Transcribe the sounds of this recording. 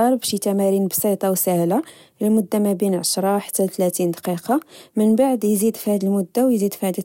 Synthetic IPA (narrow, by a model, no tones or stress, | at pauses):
ɑɾˤbæʃjt̪æmæɾinbsit̪ˤɑwsəhla | lmʊd̪ːamæbinʕaʃɾˤɑħt̪ːæt̪læt̪ind̪ɑqiqɑmənbaʕd̪jzid̪fihæd̪əlmʊd̪ːawjzid̪fihæd̪i